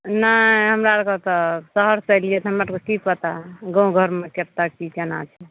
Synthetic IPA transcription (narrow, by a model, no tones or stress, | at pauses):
naɦəmɾaɾkət̪ɔsəɦəɾsəjliet̪ɦəmɾaɾkosipət̪aɡə̃ũɡʱəɾmekept̪akit͡ʃena̰t͡ʃʰɛ